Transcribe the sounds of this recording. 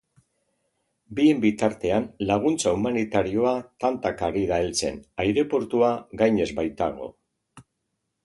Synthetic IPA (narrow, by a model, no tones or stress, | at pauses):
bie̞mbit̪aɾt̪e̞anlaɣ̞unt͡saumanit̪aɾio̞at̪ant̪akaɾiðaelt͡se̞̰najɾe̞po̞ɾt̪uaɣajɲe̞zbajt̪aɣ̞o̞̰